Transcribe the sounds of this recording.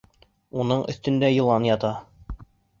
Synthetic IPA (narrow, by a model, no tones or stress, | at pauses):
unɤɴʔɵ̰̆θt̪ɵ̆nd̪æjɤ̆lˠɑnjɑt̪ɑ